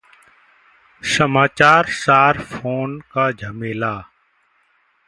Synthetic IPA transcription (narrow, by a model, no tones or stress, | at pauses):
səmaːt͡ʃaːɾsaːɾfʰoːnkaːd͡ʒʱəmeːlaː